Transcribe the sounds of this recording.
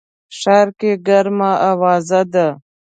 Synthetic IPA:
ʂaɾkeɡaɾmaʔawɑːzad̪a

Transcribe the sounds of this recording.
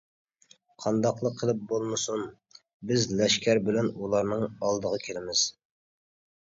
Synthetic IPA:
qʰɑnd̪ɑqlˠəqʰːəlˠɨp̚bolˠmɨsun | bɪzlɛʃkʲʰæɾbɪlɛnulˠɑɾnɨŋɑlˠd̪əʁɑkʲʰelɪmɪz̥

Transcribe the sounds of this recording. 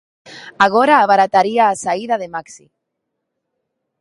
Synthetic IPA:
aɣ̞oɾaːβaɾat̪aɾiaːsaiðaðemaksḭ

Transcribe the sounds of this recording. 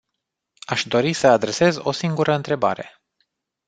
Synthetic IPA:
aʃd̪o̞ɾisəad̪ɾe̞se̞zo̞siŋɡuɾʔəɨnt̪ɾe̞ba̰ɾe̞̰

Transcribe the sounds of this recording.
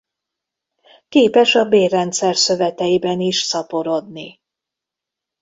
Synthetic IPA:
keːpɛʃɒbeːrːɛnt̪sɛrsø̞vɛt̪ɛibɛniʃsɒpo̞ɾo̞d̪ni

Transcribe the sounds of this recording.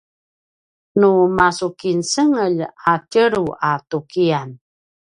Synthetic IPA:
numasukinsəŋəʎacəɾuatukian

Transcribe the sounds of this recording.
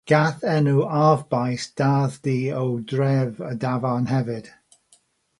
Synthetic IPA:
ɡ̥aθɛnuavbajsd̥aðdiːəwdɹɛvədavanɦɛvɨd̥

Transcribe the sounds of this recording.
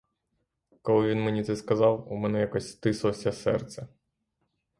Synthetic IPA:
kɔlˠɪʋʲinmenʲit̪sɛskɐzɑwumɛnɛjakɔsʲst̪ɪslˠɔsʲɐsɛ̰rt̪sɛ

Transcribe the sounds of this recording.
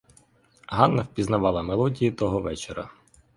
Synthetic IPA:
ɦɑnːɐwpʲiznɐʋɑlˠɐmelˠɔdʲijit̪ɔɦɔʋɛt͡ʃeɾɐ̰

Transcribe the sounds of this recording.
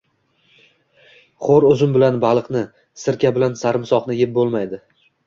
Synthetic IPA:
χoɾɵzɪmbɪlanbalˠɨqnɪ | sɪɾkʲabɪlansaɾɪmsɒqnɪjɪp̚bolˠmajd̪ɪ

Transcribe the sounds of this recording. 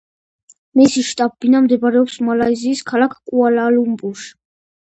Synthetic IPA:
mɛsiʃt̪ʼabːinamd̪ɛbaɾɛɔpsmalaiziːskʰalakʰkʼualalumbuʃ

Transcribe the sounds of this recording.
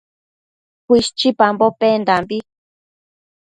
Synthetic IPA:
kwiʃt͡ʃipambopend̪ambi

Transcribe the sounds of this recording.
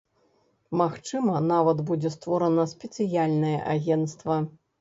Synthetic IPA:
maxt͡ʂɨmɐnavɐd̪bud͡zʲɛst̪vɔɾɐnɐsʲpʲɛt̪sɨjalʲnɐjɛ̰ʔaɣʲɛnt̪st̪vɐ

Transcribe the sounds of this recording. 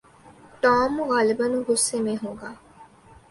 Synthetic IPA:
ʈɔːmuɣaːlibɐnuɡusːemeːɦuːɡaː

